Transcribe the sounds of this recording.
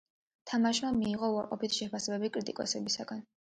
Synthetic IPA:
t̪ʰamaʃmamiːʁɔuaɾqʼɔ̰pit̪ʰʃɛpʰasɛbɛbikʼɾit̪ʼikʼɔ̰sɛbisaɡan

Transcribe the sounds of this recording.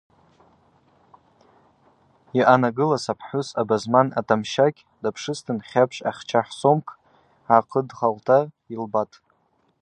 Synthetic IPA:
iʔanaɡɨlasapʰħʊsabazmana̰tʰamʃakʲʼ | dapʰʂɨstʰɨnχʲapʰʂʼa̰χʲt͡ʃʰaħsomkʰʼ | ʕaqʰədχaltʰa | ilbatʼ

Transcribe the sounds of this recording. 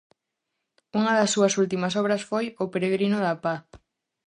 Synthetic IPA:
uŋɐðɐsːuɐsult̪imɐsɔβɾɐsfojʊpeɾeɣɾinʊðɐpa

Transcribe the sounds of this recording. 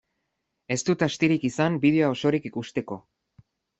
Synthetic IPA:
e̞st̪ut̪ast̪iɾikisambið̞e̞oao̞so̞ɾikikust̪e̞ko̞

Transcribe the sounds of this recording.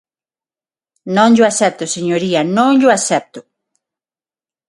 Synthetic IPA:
nõŋʎoasɛp̚t̪oseɲoɾiɐnõŋʎoasɛp̚t̪ʊ

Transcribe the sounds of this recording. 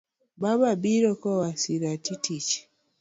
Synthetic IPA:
baβabiɾokowasiɾatitici̥

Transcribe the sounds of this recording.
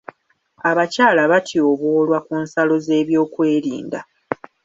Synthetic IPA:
aβacaːlaβatʰioβwoːlwakuːnsalo̞ze̞ːβjo̞ːkwe̞ːɾḭːnda̰

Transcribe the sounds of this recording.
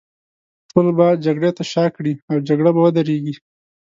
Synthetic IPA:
t̪olbad͡ʒaɡɽet̪aʃɑkɽiawd͡ʒaɡɽabawəd̪aɾeɡi

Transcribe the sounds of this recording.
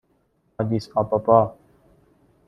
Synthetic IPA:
ad̪isaːpapaː

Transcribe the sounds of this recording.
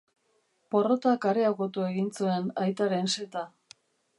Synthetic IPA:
po̞rot̪akaɾeaɣot̪ue̞ɣint͡sue̞najt̪aɾe̞nse̞t̪a

